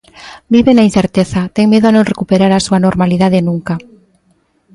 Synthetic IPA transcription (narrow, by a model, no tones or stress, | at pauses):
biβenain̟θeɾt̪eθat̪ɛŋmeðoanõŋrekupeɾaɾasuanoɾmaliðaðenũŋka